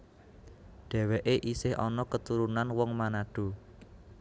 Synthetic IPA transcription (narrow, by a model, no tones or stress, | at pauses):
ɖ̥ɛ̤weʔeʔisɪhʔɔ̰nɔkət̪uɾunanwɔŋmanaɖ̥o̤